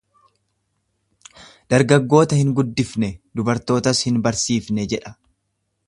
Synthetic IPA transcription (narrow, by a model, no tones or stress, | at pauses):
d̪̥ɐɾɡɐɡːo̞ːt̪ɐhɪŋɡʊd̪ːɪfnɛd̪ʊbɐɾt̪o̞ːt̪ɐshɪnbɐɾsiːfnɛd͡ʒɛᶑɐ̥